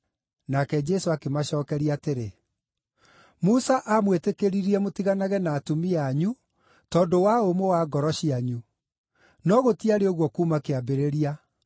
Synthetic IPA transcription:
nakɛd͡ʒɛsoakemaɕɔːkɛɾiateɾe | musaʔamwetekeɾiɾiɛmotiɣanaɣɛnaːtumiaɲu | tɔːndowaomowaɡɔɾɔɕiaɲu | nɔɣotiaɾeoɣwɔkuːmakeabeɾeɾia

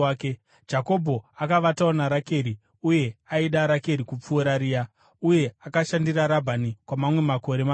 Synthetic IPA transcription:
ke | d͡ʒako̞bʱo̞akaʋataonaɾake̞ːɾi | uje̞aiɗaɾake̞ɾikup͡fuːɾaɾiːa | uje̞akaʃandiraɾabʱanikwamamwe̞mako̞ɾe̞ma

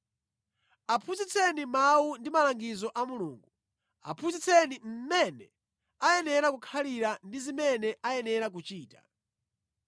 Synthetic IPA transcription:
apʰuzit͡sʰɛnimawundimalaŋɡizɔʔamulṵːŋɡu | a̰pʰuzit͡sʰɛnim̩mɛnɛ | ajɛnɛɾakukʰaliɾandizimɛnɛʔajɛnɛɾak̬ut͡ʃiːta̰

